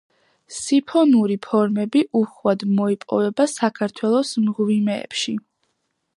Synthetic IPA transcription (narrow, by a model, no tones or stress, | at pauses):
sipʰɔnuɾipʰɔɾmɛbiʔuχwad̪mɔipʼɔ̰vɛbasakʰaɾt̪ʰwɛlˠɔsmʁvimɛ̰ːpʃi